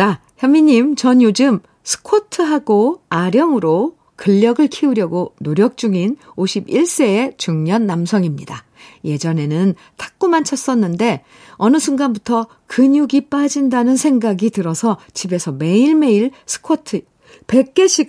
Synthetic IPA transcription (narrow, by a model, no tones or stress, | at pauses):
a | çjʌmːiɲimt͡ɕʌɲjod͡ʑɯm | sʰɯ̥kʰotʰɯɦaɡoaɾjʌŋɯɾo | kɯʎːʌɡɯɭkʰiuɾjʌɡonoɾjʌk̚t͡ɕ͈uŋinoɕʰibiɭs͈e̞ːt͡ɕuŋɲʌnːamsʰʌŋimɲida | je̞d͡ʑʌne̞nɯn | tʰḁk̚k͈umant͡ɕʰʌs͈ʌnːɯnde̞ | ʌnɯsʰunɡanbutʰʌ | kɯɲuɡip͈ad͡ʑindanɯnsʰe̞ŋɡaɡitɯɾʌsʰʌt͡ɕʰibe̞sʰʌme̞iɭme̞iɭsʰɯ̥kʰotʰɯ | pe̞k̚k͈e̞ɕʰi